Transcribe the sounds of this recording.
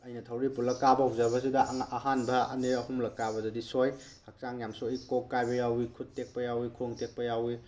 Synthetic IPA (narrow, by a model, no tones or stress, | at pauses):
ɐjnɐtʰawɾipulɐkːabɐawzɐbɐsidɐŋːɦanbɐɐniɐhumlɐkːaβɐdɐdisoj | hɐk̚saŋjamsujkokːajbɐjawikʰut̚ːek̚pɐjawikʰuŋtek̚pɐjawi